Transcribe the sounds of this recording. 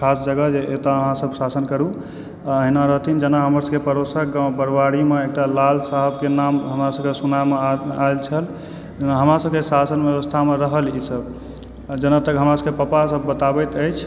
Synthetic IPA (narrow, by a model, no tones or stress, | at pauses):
kʰasd͡ʒəɡəd͡ʒeʔet̪aəɦãsəbsasənkəɾu | əɦinaɾəɦt̪ʰind͡ʒənaɦəməɾsəbkepəɾosək̚ɡãbəɾbaɾimeek̚ʈalalsaɦəbkenamɦəmɾasəbkesunameaelt͡ʃʰəl | d͡ʒnaɦəmɾasəb̚kesasənbjeʋəst̪ʰameɾəɦəlisəb | d͡ʒənat̪əkɦəmɾasəbkepəpasəbːət̪abɛjt̪əjt͡ʃʰ